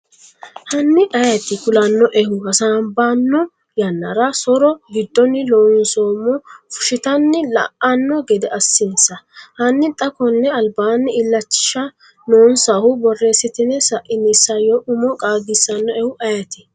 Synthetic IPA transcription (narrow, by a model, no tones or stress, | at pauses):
hɐnːɪʔɐjɐt̪ɪkʊlɐnːɔʔɛhʊhɐsaːbanːɔ | jɐnːɐ̰ɾɐsɔɾɔɡɪd̪ːɔnːɪloːnsoːmːɔfʊ̥ʃɪt̪ɐnːɪlɐ̰ʔɐnːɔɡɛd̪ɛʔɐsːɪnsɐhɐnːɪt̪ʼɐkɔnːɛɐlbaːnːɪɪlːɐt͡ʃːɪ̥ʃɐ | noːnsɐhʊbɔrːeːsɪt̪ɪnːɛsɐʔɪnisːɐjɔʔʊmɔkʼaːɡɪsɐnːɔɛhʊʔɐjɐt̪ɪ̥